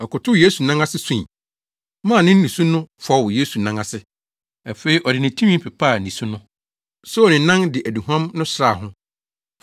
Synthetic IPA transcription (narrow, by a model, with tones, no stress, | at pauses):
ɔ˨kʊ˨tʰʊ˦jeː˦su˨nã˦ŋa˦sɪ˦sũ˦˨ | mã˦˨nɪ̃˦n̩˦nĩ˨su˦nʊ̃˦fɔ˦˨wje˦su˨nã˦ŋa˨sɪ˦ | æ˨fe˨˦i˦ʔɔ˨dɪ˨nɪ̃˨tʰũ˦mĩ˦pʰɪ˨pʰa˦˨nĩ˨su˦nʊ̃˦ | so˦ɔ˨nɪ̃˨nã˦ŋdɪ˨ʔæ˨di˨ɦã˦mnʊ̃˦sɾa˨ɦʊ̃˦